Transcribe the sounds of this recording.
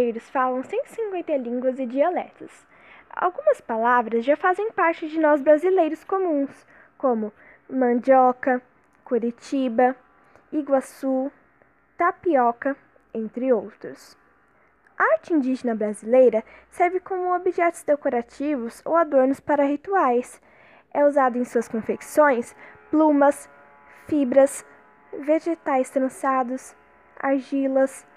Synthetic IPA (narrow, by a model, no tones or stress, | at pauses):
ejɾʊsfalɐ̃w̃sẽnt̪ʊ̥sĩŋkwẽnt̪ɐlĩŋɡwɐzɪd͡ʒialɛ̰t̪ɐs | a̰wɡũmɐspalavɾɐzʒafazẽj̃paɾt͡ʃɪd͡ʒɪnɔzbɾazilejɾʊskomũs | kõmʊ | mɐ̃d͡ʒɔkɐ | kuɾit͡ʃibɐ | iɡwasu | t̪apiɔkɐ | ẽnt̪ɾɪowt̪ɾʊs | aaɾt͡ʃɪĩnd͡ʒiʒenɐbɾazilejɾɐsɛɾvɪkõmʊobiʒɛt̪ʊ̥zd̪ekoɾat͡ʃivʊso̰wad̪oɾnʊspaɾɐɦit̪uajs | ɛuzad̪ʊẽj̃suɐskõfeksõj̃splũmɐs | fibɾɐs | veʒet̪ajst̪ɾɐ̃sad̪ʊs | a̰ʒilɐs